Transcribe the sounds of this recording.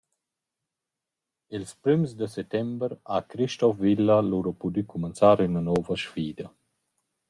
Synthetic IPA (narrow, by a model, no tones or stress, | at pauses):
ilspɾymsd̪əsɛt̪ːɛmbəɾakɾiʃt̪ɔfvilːaluɾopud̪ykʰumənsaːɾynanɔːvəʃfiːd̪ɐ